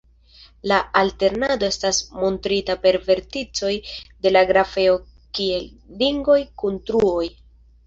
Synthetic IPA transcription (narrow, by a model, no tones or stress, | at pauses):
laalte̞ɾnado̞e̞stasmo̞ntɾitape̞ɾve̞ɾtit͡so̞jde̞laɡɾafe̞o̞ | kie̞lː | iŋɡo̞jkuntɾuo̞j